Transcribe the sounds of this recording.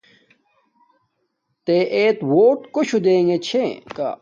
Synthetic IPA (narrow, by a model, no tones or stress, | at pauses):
t̪eʔeːt̪woːʈkoɕʰud̪eːŋɡet͡ɕʰeka̰